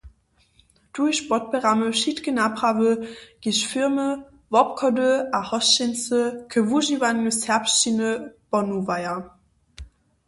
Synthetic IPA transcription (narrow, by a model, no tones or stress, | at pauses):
d̥uʃb̥ɔt̚b̥əʁaməʃitɡənapʁavəɡ̥iʃfɪɐmə | vɔp̚kʰɔdəʔahɔsʃɪnsəkʰəvuʒivanːushɛɐpʃtinəb̥ɔnuvajɐ